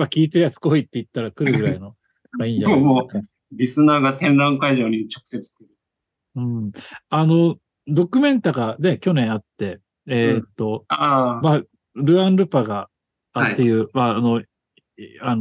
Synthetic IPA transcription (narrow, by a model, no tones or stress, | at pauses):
makʲiːt̪eɾjat͡sɨ̥ko̞it̪ːeit̪ːaɾakɯ̟ɾɯ̟ɡɯ̟ɾaino̞ | ɡaiːɲd͡ʑamo | ɾʲisɨnaːɡat̪ẽ̞nɾãŋkaiʑo̞ːɲ̟it͡ɕo̞̥kɯ̟̥se̞t͡sɨ̥ɕt̪eɾɯ | ɯ̟̃ːano̞ | d̪o̞kʲɯ̟mẽ̞nt̪aɡane̞kʲo̞nẽ̞ɰ̃at̪ːe̞ | eːt̪ːo̞ama | ɾɯ̟ãnɾɯ̟paɡa | aːe̞jɯ̟ːmaːno̞ | an